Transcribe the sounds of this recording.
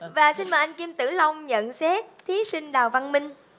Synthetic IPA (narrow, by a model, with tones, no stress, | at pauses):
vaː˨˩si˧nmaː˨˩ʔa˧ŋ̟ki˧mt̪ɨ̰˧˩la˧wŋ͡mɲə̰˧˨nsɛ˦˥t̚t̪ʰi˨˦si˧ŋ̟ɗaː˨˩wva˧nmï˧ŋ̟